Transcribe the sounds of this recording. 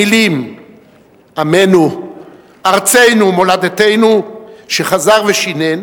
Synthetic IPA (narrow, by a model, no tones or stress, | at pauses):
ilim | amenu | aʁt͡se̞jnumo̞lad̪ate̞jnuʃeχazaʁveʃinen